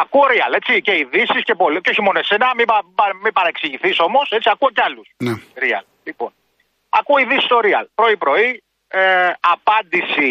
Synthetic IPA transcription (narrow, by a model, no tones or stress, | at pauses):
ɐkuo̞ɾiɐle̞t͡sice̞iðisisce̞po̞lceo̞çimo̞noesenɐmibɐɐmipɐɾɐeksiʝiθiso̞mo̞se̞t͡siɐkuo̞ceɐlusneɾiɐ̰l | lipo̞̰n | ɐ̰kuoiðisi̥st̪o̞ɾiɐ̰lpɾo̞ipɾo̞i | eɐpɐnd̪isi